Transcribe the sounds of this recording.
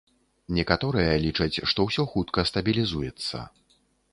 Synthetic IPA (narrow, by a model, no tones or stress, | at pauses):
nʲɛkat̪ɔɾɨjɐlʲit͡ʂɐt͡sʲʂt̪ɔwsʲɔxut̪kɐst̪ɐbʲilʲizujɛt̪sːɐ̰